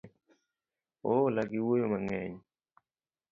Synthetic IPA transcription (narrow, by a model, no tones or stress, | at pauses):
olaɡiwojomaŋɛɲ